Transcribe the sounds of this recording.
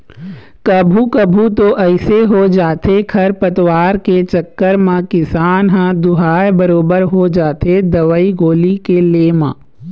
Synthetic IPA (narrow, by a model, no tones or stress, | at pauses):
kɐbʱukɐbʱut̪oʔɐɪseɦod͡ʒaːt̪ʰekʰɐɾpɐt̪waːɾket͡ʃɐkːəɾmãkɪsaːnɦãd̪ʊɦaːjbɐɾoːbəɾɦod͡ʒaːt̪ʰed̪ɐʋəiɡoːlikelemã̰ː